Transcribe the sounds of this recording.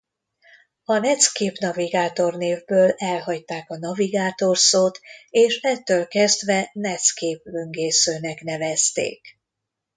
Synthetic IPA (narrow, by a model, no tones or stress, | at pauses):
ɒnɛt̪skeːpnɒviɡaːt̪o̞rneːvbøːlɛlɦɒct̪aːkɒnɒviɡaːt̪o̞rsoːt̪eːʃɛt̪ːøːlkɛzd̪vɛnɛt̪skeːplyŋɡeːsøːnɛknɛvɛst̪ḛːk